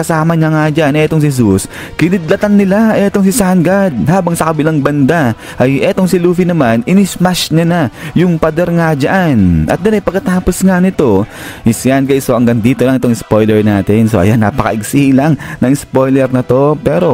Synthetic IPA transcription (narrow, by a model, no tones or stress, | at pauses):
kɐsaːmɐɲaŋad͡ʒaʔnɛt̪o̞ŋs̬isus | kɪnɪd̪lɐt̪aŋnɪlaʔɛt̪o̞ŋsɪsanɡad̪̚haːbɐŋsɐkɐbɪlaŋbɐnd̪a | ʔɐjʔɛt̪o̞ŋsɪluːfinɐmanɪnɪsmaʃɲanajʊŋpɐd̪ɛɾŋad͡ʒɐʔanʔɐ̰t̪̚d̪ʊnɐjpɐɡkːɐt̪aːpo̞sŋanɪt̪o̞ɪsanɡajsoʔɐŋɡɐŋd̪iːt̪olɐŋɪt̪oŋɪspo̞jlɛɹnaːt̪ɛnsoʔɐ̰janːaːpɐkɐ̰ʔɪɡsilaŋnɐŋɪspo̞jlɛɾnɐt̪o̞pɛːɾo̞